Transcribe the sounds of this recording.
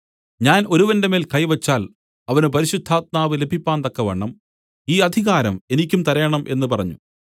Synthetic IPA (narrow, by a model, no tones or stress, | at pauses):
ɲaːno̞ɾuʋɐndeme̞ːlkɐjʋɐt͡ɕːaːl | ɐʋɐnɨp̬ɐɾiɕud̪ʱːaːt̪̚maːʋɨle̞bʱipːaːnt̪ɐkːɐʋeːɳːɐm | iːɐd̪ʱiɣaːɾɐ̰me̞nikʲːumt̪ɐɾɐjɐɳɐmʔe̞̰nːɨpɐrɐɲːṵ